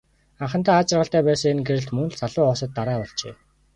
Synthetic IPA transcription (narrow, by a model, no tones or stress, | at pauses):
aɴχə̆nt̪aːt͡ɕɪ̆rʁə̆ɬt̪æːpæːsə̆ŋenɡeɾɘ̆ɬt̪mɵnɮsaɮʊːχɔsə̆t̪ːaɾaːpɔɮt͡ɕeː